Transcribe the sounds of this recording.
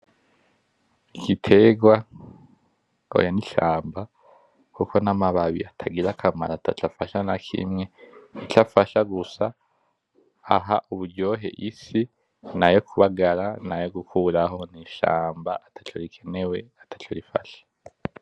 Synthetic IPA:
ikitʰe̞ɡwa | o̰janiʃaːmba | kukʰo̞namaβaβiatʰaɡiɾakʰama̰ɾatʰat͡ʃafaʃanakʰḭmŋe̞it͡ʃafaʃaɡusa | ɦaʔuβuɾɟo̞ːɦe̞̰ʔisi | najo̞kʰuβaɡaɾanajo̞ɡukʰuːɾaɦo̞niʃa̰ːmbaʔatʰḁt͡ʃoɾikʰe̞ne̞we̞atʰḁt͡ʃoɾifa̰ʃe̥

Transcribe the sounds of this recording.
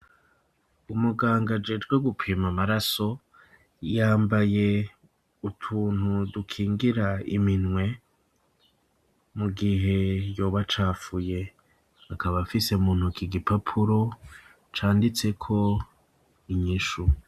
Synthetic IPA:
umuɡaːŋɡad͡ʒe̞ːd͡ʒɡwe̞ɡupʰiːmamaɾaso̞ | jaːmbaje̞ | utʰuːn̥hudukʰiːŋɡiɾaḭminŋwe̞ | muɡiɦe̞jo̞ːβat͡ʃaːfuje̞ | akaβafise̞muːnhukiɡipapʰuɾo̞ | t͡ʃaːndit͡se̞kʰo̞ | iɲiʃu

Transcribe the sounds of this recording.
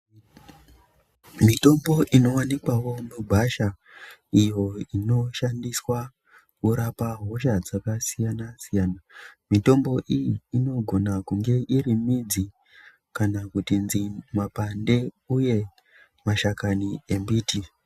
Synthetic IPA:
mito̞mbo̞ʔino̞wanikwawo̞muɡʱaʃa | ijo̞ino̞ʃandiswa | kuɾapaɦo̞ʃad͡zakasijanasijaːnamito̞mbo̞ʔijiːno̞ɡʱo̞nakuŋɡe̞ʔirimid͡zi | kanakutinzimapande̞ | uje̞ | maʃakanie̞mbiːti

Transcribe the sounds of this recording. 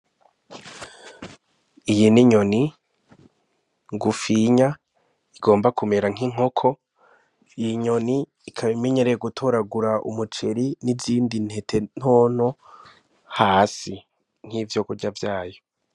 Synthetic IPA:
ijiniɲo̞ni | ŋɡufiɲa | iɡo̞ːmbakume̞ɾaŋ̥iŋ̥o̞kʰo̞ | ijiɲo̞niː | kʰaβime̞ɲe̞ɾeeɡutʰoɾaɡuɾaʔṵmut͡ʃe̞ɾiniziːndin̥he̞tʰe̞n̥hoːn̥o | haːsi | ŋ̥hivjokuɾɟavjaːjo

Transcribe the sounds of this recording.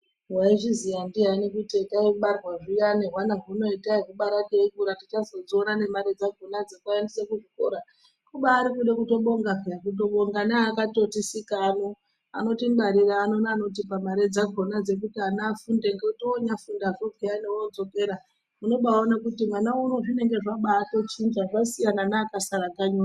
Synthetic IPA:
ɦwaiʐizijandiɦainikutekaiɓarwaʐijaneɦwanaɦuno̞itaikuɓaɾakeiɡuɾatit͡ʃazod͡zionane̞maɾed͡zaɡʱonad͡zekaendisekuʐiko̰ɾa | kuɓaːɾikuɗekuto̞ɓo̞ŋɡakut̬o̞ɓo̞ŋɡanaːkato̞tisikano | a̰no̞timɓaɾiraːno̞naːno̞tipamaɾed͡zaɡʱo̞nad͡ze̞k̬utianafundeŋɡeutoːɲafundakokeaneood͡zo̞ke̞ɾa | muno̞ɓaonakutimwanauno̞ʐine̞ŋɡe̞ʐaɓaːtot͡ʃind͡ʒaʐasijananaːkasaɾaɡaɲua

